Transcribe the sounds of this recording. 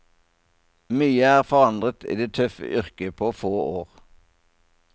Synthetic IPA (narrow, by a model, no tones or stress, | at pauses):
myːəæːʁfɔʁɑnd̪ʁət̪ʰḭːd̪eːt̪ʰœfə̰ʔʏʁkəpʰoːfoːoːʁ